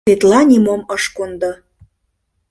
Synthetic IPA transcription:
et̪lɑnʲimoməʃkund̪ɤ̆

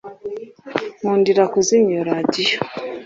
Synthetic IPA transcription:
ŋuːndiɾakuziɲoɾadijo

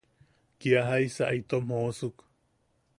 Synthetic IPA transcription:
kiaɦaisaʔait̪omosuk

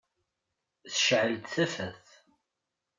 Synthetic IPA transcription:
θə̥ʃʕəlt̪θæfæθ

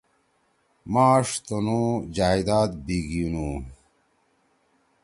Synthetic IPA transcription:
maːʂt̪onũd͡ʑaːid̪aːt̪̚biɡinu

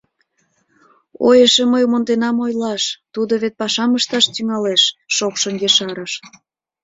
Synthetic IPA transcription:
o̰jəʃeməjumond̪enɑmojlɑʃt̪ud̪oβet̪̚pɑʃɑməʃt̪ɑʃt̪yŋɑleʃːokʃənjeʃɑɾəʃ

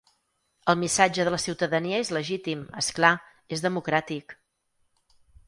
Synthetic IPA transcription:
əlˠmisad͡ʒəðələsiwt̪əðəniəezləʒit̪imə̰skla | ezðəmukɾat̪ik

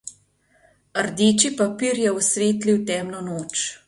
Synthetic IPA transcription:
əɾd̪eːt͡ʃipapiːɾjɛɔsʋeːt̪liwt̪ɛːmnɔnoːt͡ʃ

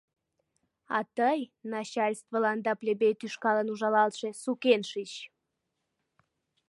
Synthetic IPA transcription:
ɑ̰t̪əjnɑt͡ɕɑlʲst̪vəlɑnd̪ɑplʲebejt̪yʃkɑlənuʒɑlɑlt̪ʃesukenʃit͡ɕ

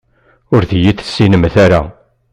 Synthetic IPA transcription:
ʊɾðjiθə̥sːinəmθæɾa̰

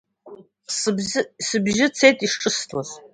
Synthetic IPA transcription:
sbzsɨbʒɪt͡sʰe̞jtʼiʂʈ͡ʂʼɨstʰaz

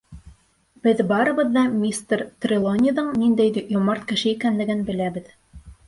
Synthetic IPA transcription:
b̥ɘðbɑɾɤ̆bɤ̆ðːɑmʲist̪rt̪rʲɪlˠonʲiðɤɴnind̪æjd̪ijomɑɾt̪kɘ̆ʃɘikænlɘ̆ɡɘnbɘ̆læbɘð

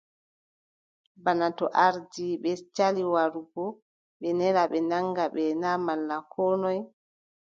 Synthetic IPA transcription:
banatɔʔaɾd͡ʒiɓɛt͡ʃaliwaɾubɔ | ɓɛnɛɾaɓɛnaŋɡaɓɛnamalːakʰɔːnɔj

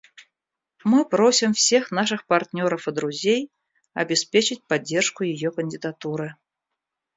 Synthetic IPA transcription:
mɨpɾosʲimfsʲexnaʂɨxpart̪ʲnʲoɾəfɨd̪ɾuzʲej | ɐ̰bʲɪspʲet͡ɕɪt͡sʲpadʲːɛrʂkʊjɪjɔkənʲdʲɪd̪at̪uɾɨ

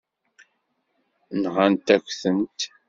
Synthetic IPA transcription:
nʁant̪ækʷθənt̪

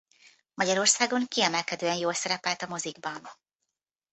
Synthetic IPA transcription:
mɒɟɒɾo̞rsaːɡo̞ŋkiɛmɛlkɛd̪øːɛnjoːlsɛɾɛpɛlt̪ɒmo̞ziɡbɒn

